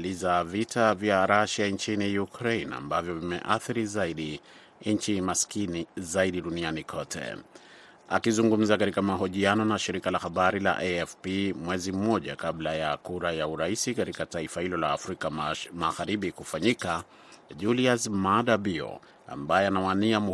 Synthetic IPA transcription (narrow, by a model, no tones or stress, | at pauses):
lizavitʰavjaɾaʃaint͡ʃinijukɾeina̰mbavjɔvimɛ̰ʔaθiɾizaiɗi | ɲt͡ʃimaskizaiɗiɗunianikʰɔtʰɛ̰ | akizuŋɡum̩zakatikamaɦɔʄianɔnaʃiɾikalahaɓaɾila̰ʔeɛfpimwɛzim̩mɔʄakablajakuɾajauɾaisikatikataifahilɔla̰ːfɾikamaɣaɾiɓikufaɲika | ʄuliasmaɗabiɔ̰ | a̰mbajɛanawaniamu